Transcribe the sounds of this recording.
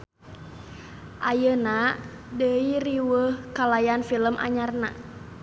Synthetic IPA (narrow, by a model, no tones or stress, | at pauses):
ʔajəna | dəiriwəhkalajanfiləmʔa̰ɲarna̰